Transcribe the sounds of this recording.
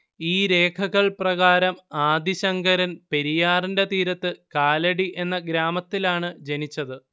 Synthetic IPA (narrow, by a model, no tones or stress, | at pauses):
iːɾe̞ːkʰɐɣɐɭprɐɣaːɾɐmaːd̪ʱiɕɐŋɡɐɾɐnpe̞ɾijaːrinde̞t̪iːɾɐt̪ːɨkaːlɐɽiʔe̞nːɐɡɾaːmɐt̪ːilaːɳɨd͡ʑenit͡ɕːɐðɨ